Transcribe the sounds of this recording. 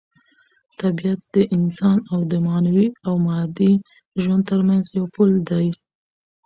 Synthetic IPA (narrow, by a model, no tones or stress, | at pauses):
t̪abijat̪̚d̪̥əʔɪnsɑnawd̪əmɑnawiawmɑɾd̪i | ʒwand̪̚t̪əɾmanzjawpuld̪aj